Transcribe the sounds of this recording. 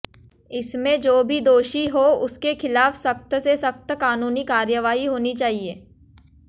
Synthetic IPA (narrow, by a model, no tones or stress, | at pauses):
ɪsmẽd͡ʒoːbʱid̪oːʃiɦoʊskexɪlaːfsɐkt̪sesɐkt̪kaːnuːnikaːɾjəʋaːɦiɦoːnit͡ʃaːɦieː